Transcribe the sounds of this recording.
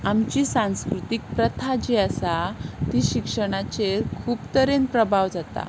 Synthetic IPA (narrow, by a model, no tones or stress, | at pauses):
amt͡ɕiːsãw̃skɾut̪ik̚pɾət̪ʰad͡ʑeəsat̪iːɕikʂəɽ̃at͡sekʰuːpt̪əɾenpɾəbʱaʋd͡zat̪a̰